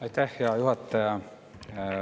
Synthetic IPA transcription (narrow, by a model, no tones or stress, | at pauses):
ɑit̪æhjɑjuhɑt̪ːɑjɑ